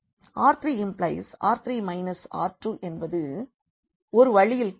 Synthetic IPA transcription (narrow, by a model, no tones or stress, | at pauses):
aːɾt̪ɾiɪmplɐɪsa̰ːɾt̪ɾimɐɪnɐsa̰ːɾʈrɯʔɛnbɐðɯ | ɔɾɯʋɐɻɪjɪl